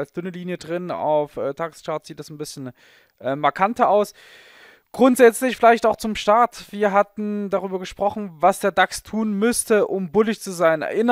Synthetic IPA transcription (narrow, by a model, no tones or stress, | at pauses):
alsd̥ʏnəliːnjədʁɪna̰ʊfʔɛːtʰaɡst͡ʃaɐtz̥iːt̚d̥asnbɪsçn̩ | ʔɛːmaɐkʰantɐaʊs | ɡ̥ʁʊntz̥ɛt͡slɪçfɪlaɪçtaʊxt͡sʊmʃtaɐtv̥iːɐɦatn̩daʁyːbɐɡəʃpʁ̥ɔχn̩vasd̥eːɐdakstʰuːnmʏstəʔʊmbʊlɪçt͡suzaɪnɛ̰ɐʔʔɪn